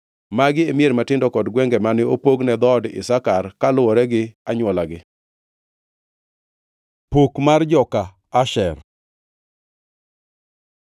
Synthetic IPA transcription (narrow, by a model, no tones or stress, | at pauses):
maɡɪemeɾmatɪndɔkɔdɡwɛŋɡɛmanɪopoɡnɛd̪ɔdɪ̰sakarkalʊwɔɾɛɡɪaɲwɔlaɡɪ | pokmard͡ʒɔkaː | ʃɛr